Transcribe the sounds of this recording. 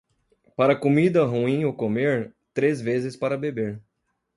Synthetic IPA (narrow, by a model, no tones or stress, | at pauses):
paɾɐkomid̪ɐɦuĩokomeɾt̪ɾezvezɪspaɾɐbebeɾ